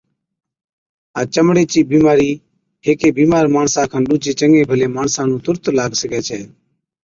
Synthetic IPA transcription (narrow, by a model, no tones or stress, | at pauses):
aːt͡ʃəmɽeːt͡ʃiːbiːmaːɾiː | ɦeːkeːbiːmaːɾmaːɳsãːkʰaːnɗuːt͡ʃeːt͡ʃəŋɡeːbʱəleːmaːɳsãːnũːt̪ʊɾt̪laːɡsəkɛːt͡ʃʰɛː